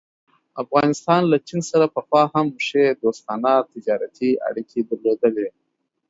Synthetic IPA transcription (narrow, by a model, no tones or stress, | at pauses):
afɣɑnɪst̪ɑnlat͡ʃinsaɾapəxwɑhamːʊʂed̪ost̪ɑnat̪ɪd͡ʒɑɾat̪ʰia̰ɽikʰed̪əɾlod̪əle